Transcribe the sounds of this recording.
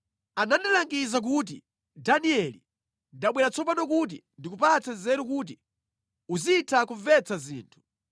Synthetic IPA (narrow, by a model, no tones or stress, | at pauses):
anandilaŋɡizak̬ut̬i | daniɛlḭ | ndaɓwɛɾat͡sɔpanɔkut̬ḭndikupat͡sazɛɾukuːt̬i | uziːtʰakuvɛt͡sazḭːntʰu̥